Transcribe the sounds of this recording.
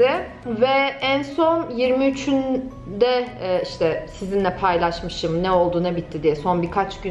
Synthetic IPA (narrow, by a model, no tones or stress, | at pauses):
ɪ | vɛænso̞njiɾmiyt͡ʃʰyn | d̪ɛiʃt̪ʰɛsizinlʲɛpʰajlˠaʃmɯʃɯmnɛo̞lˠd̪uːnabit̪ʰːid̪ijɛso̞nbikʰat͡ʃɟy